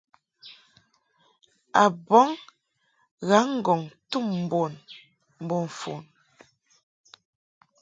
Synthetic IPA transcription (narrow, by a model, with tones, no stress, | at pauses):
a˨bɔ˨˦ŋ | ɣa˨˦ŋ̩˦˨ɡɔ˨ŋtu˦˨mm̩˨bo˨n | m̩˨bɔ˨ɱ˨fo̰˨n